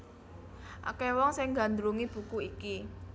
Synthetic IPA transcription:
ʔa̰kɛwɔŋsɪŋɡa̤nd̪ɾuŋib̥ṳkuiki

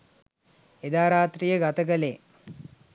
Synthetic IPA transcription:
ed̪aːɾaːt̪ɾijəɡat̪əkəle

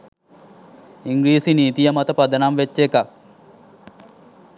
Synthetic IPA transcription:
iŋɡɾiːsiniːt̪ijəmat̪əpad̪ənamʋet͡ʃːekak̚

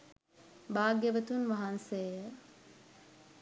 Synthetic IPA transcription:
baːɡəʋət̪unʋaɦanseːjə

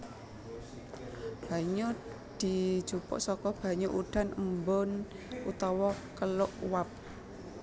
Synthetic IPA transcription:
b̥a̤ɲo | d̪̥i̤d̥ʒ̥upɔ̰ʔsɔkɔb̥a̤ɲoʔuɖ̥a̤nəmbon | ut̪ɔwɔkəlʊʔwap̚

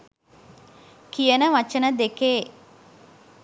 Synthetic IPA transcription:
kijənəʋat͡ʃənəd̪ekeː

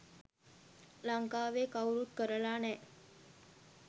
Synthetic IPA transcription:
laŋkaːʋeːkawɾut̪̚kəɾəlaːnɛː

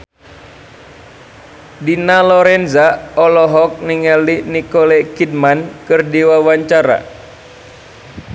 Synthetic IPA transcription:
dinalɔɾɛnzaɔlɔɦɔk̚niŋalinikɔlɛkid̚mankɨrdiwawaɲt͡ʃaɾa̰

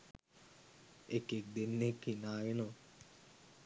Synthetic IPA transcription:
ekːek̚d̪enːekːinaːʋino

